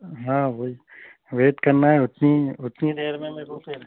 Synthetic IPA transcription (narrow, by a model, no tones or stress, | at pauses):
ɦãːʋoːi | ʋeːʈ̪kɐɾnaɦɛʊt̪niʊt̪nid̪eːɾmẽmẽbuːt̪e